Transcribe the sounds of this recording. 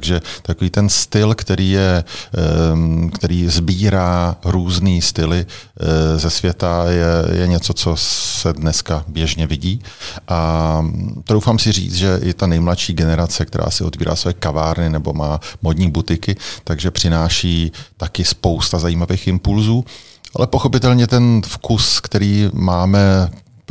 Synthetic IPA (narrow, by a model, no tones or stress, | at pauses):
t̪ɡʒɛt̪akoviːt̪ɛnst̪ɪlkt̪ɛɾiːjɛ | kt̪ɛɾiːzbiːɾaːɾuːzniːst̪ɪlɪ | zɛsvjɛt̪ajɛjɛ̰ɲɛt͡so̞t͡so̞sɛdnɛskabjɛʒɲɛvɪɟiːʔa | t̪dowfaːmsɪr̝ḭːt͡s̪ʒɛʔɪt̪anɛjmlatʃiːɡɛnɛɾat͡sɛk̚t̪ɛɾʔa̰ːsɪʔo̞t̪viːɾa̰ːsvojɛkavaːɾnɪnɛbo̞̰maːmodɲiːbut̪ɪkɪt̪aɡʒɛpr̝̥ɪnaːʃiːt̪akɪspo̞wst̪azajiːmaveːxɪmpulzuː | ʔalɛpoxo̞pɪt̪ɛlɲɛt̪ɛnfkuskt̪ɛɾiːmaːmɛ